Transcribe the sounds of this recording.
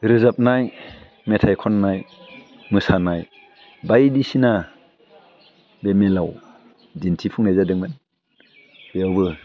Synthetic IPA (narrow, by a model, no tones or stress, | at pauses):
ɾɯzap̚naj | metʰajkʰɔnːaj | mɯsanaj | bajdisina | bemelaw | dintʰipʰuŋnajzadɯŋmɯn | b̥ejawbɯ